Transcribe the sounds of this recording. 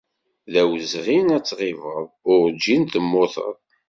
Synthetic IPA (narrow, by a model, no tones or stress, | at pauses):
ðæwzʁinæt͡sːʁɪvəðˤʊɾd͡ʒːint̪əmːoθə̰ðˤ